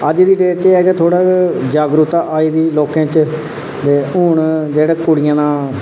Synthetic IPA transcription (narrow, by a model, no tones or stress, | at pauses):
əd͡ʒd̪iːɖeːɾt͡ʃeːɛːɡɛːt̪ʰoːɽaːd͡ʒaːɡɾut̪aːʔaːiːd̪iːloːkẽːt͡ʃ | d̪eːʊːɳd͡ʒeːɽeːkʊɽɪjãːnãː